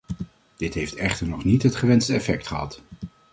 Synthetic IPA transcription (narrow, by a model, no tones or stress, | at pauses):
d̥ɪtɦejftɛχtəɹnɔχnitɦətχəʋɛnstəɛfɛk̚tχəɦɑ̰t